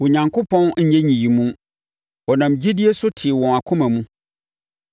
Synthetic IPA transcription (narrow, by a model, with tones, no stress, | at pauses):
wʊ˨ɲã˨ŋkʰʊ˦pʰɔ̃˦nɲ̩˦ɲɛ˦ɲĩ˨ji˨mũ˦ | ɔ˨nã˨md͡ʑi˦di˦e˦sʊ˦tʰɪ˨wɔ̃˨a˨kʰʊ̃˦mã˨mũ˦